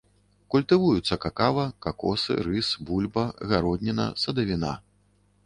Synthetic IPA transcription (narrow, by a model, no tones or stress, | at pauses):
kulʲt̪ɨvujut̪sːɐkakavɐkakɔ̰sɨ̰ɾɨsbulʲbɐɣaɾɔd̪ʲnʲɛnɐ̰sɐd̪ɐvʲina̰